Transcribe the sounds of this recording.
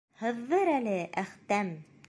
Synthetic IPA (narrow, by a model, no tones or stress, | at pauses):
hɤ̆ðːɤɾælɘʔæχt̪æm